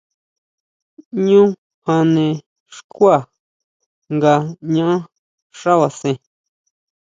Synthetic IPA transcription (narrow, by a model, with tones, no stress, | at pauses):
ɲũ˦ | hã˧nẽ˧ | ʂku˦a˦˨ | ŋɡa˧ɲã˦ʔã˦ | ʂa˦βa˨sẽ˧